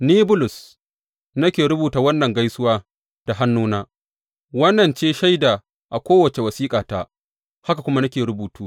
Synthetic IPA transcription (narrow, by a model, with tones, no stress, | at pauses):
niː˦bʊ˦lʊ˨s | nɐ˦kʲeː˨ɾʊ˦buː˨taː˦wɐ˦nːɐ˨ŋɡa˦jsʊ˦waː˦ | d̥a˨ɦa˦nːuː˦naː˦ | wɐ˦nːɐ˨nt͡ʃeː˦ʃa˦jdaː˨ | ʔa˨kʷoː˦wɐ˨t͡ʃe˨wɐ˨siː˦kʼaː˨taː˦ | ha˦ka˨kʷʊ˦ma˦nɐ˦kʲeː˨ɾʊ˦buː˨tuː˦